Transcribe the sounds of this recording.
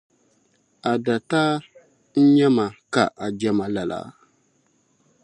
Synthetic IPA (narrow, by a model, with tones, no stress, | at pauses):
a˨da˨taː˦ | n̩˦ɲɛ˦ma˨ka˨ʔa˨d͡ʒɛ˦ma˨la˨la̰˨˦